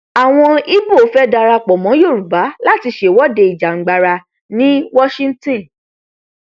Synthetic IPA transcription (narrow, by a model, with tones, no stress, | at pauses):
a˨w̃ɔ̃˧i˦bo˦˨o˨˦fɛ˦da˧ɾa˧k͡pɔ˨mɔ̃˨˦jo˦˨ɾu˨ba˨˦la˦˨ti˧ʃe˨wɔ˦de˧i˨d͡ʒa˨ŋ̩˦ɡ͡ba˧ɾa˧ | nĩ˦wɔ˦ʃĩ˦n̩˦tĩ˦˨